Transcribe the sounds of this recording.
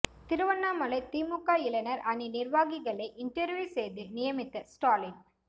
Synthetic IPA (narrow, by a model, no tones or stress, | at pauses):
t̪ɪɾɯʋɐnːaːmɐlɐɪt̪iːmʊkːaːɪlɐnɐɾɐninɪɾʋaːɣɪɣɐɭɐɪʔɪɳʈɐɾʋjuːsɛjðɯnɪjɐmɪt̪ːɐsʈaːlɪn